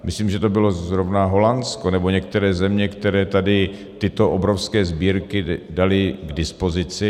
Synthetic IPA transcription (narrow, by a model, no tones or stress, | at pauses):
mɪsliːmʒɛt̪o̞bɪlo̞zɾovnaɦo̞lanskonɛboɲɛkt̪ɛɾɛːzɛmɲɛkt̪ɛɾɛːt̪adɪ | t̪ɪt̪o̞ʔobɾofskɛːzbiːɾkɪdalɪɡdɪspo̞zɪt͡sɪ